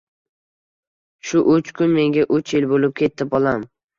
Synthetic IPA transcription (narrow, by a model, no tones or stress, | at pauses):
ʃʊʔʊt͡ʃkʰʊnme̞ŋɡʲaʔʊt͡ʃʰjɪlbolɪp̚kʲʰe̞t̪ʰːɪpɒlˠam